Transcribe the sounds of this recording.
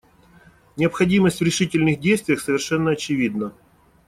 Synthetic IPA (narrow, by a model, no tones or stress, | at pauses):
nʲɪəpxɐdʲiməsʲtʲvɾʲɪʂɨtʲɪlʲnɨxdʲejst̪vʲɪjəxsəvʲɪrʂɛnːəɐt͡ɕɪvʲid̪nə